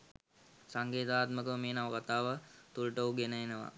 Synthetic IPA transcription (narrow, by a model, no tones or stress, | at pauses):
saŋɡeːt̪aːt̪məkəʋəmeːnaʋəkat̪aːʋət̪ulʈəuɡenəenəʋa̰